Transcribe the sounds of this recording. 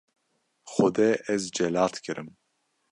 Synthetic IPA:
xɔd̪ɛːʔɛzd͡ʒɛlɑːt̪kʰɨɾɨm

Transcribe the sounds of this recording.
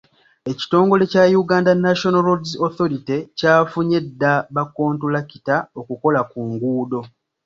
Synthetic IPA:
e̞ci̥to̞ːŋɡo̞le̞cajuɡaːndanːaʃonaɾodzoθo̞ɾitecaːfuɲe̞dːaβako̞ːntulaki̥tao̞kuko̞lakuːŋɡuːdo̞

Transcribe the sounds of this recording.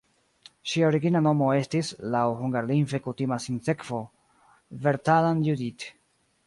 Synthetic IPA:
ʃiaoɾiɡinano̞mo̞e̞stislawhuŋɡaɾlinfe̞kutimasinse̞kv̥o̞ | veɾtalanjudit

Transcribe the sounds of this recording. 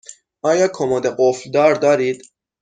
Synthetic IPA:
ʔɒːjɒːkʰomɒːd̪eɡofld̪ɒːɾd̪ɒːɾiːd̪̥

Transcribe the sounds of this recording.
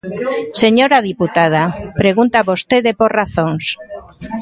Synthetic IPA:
seɲoɾað̞iput̪að̞apɾeɣunt̪aβost̪eðepoɾraθoŋs

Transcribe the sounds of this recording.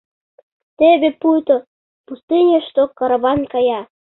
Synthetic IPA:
t̪eβepujt̪o | pust̪inʲeʃt̪okɑɾɑβɑnkɑjɑ

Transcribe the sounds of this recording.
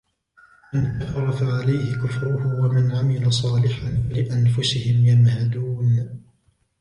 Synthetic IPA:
mantafɾˤɑfaʕalajhɪkʊfɾʊhʊwamɪnʕamɪlasˤɑːlɪħanlɪʔanfʊsɪhɪmjamhad̪uːn

